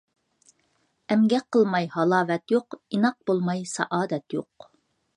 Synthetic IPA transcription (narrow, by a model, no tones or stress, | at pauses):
æmɡʲɛqəlˠmɑjhɑlˠɑːvɛt̪joqinɑq̚bolˠmɑjsɑ̰ʔɑːd̪ɛt̪joq